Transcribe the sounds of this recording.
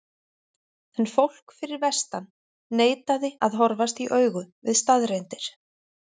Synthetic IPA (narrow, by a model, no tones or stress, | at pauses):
ɛnfowl̥kfɪɾɪɾvɛst̪anː | eːjt̪aðɪaðɦɔɾvast̪iʔœːɥɣʏvɪðst̪aðrejnt̪ɪɾ̥